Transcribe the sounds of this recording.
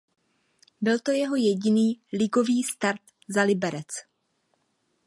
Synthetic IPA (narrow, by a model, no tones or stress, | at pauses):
bɪlt̪o̞jɛɦo̞jɛɟɪniːlɪɡo̞viːst̪aɾt̪ | zalɪbɛɾɛt͡s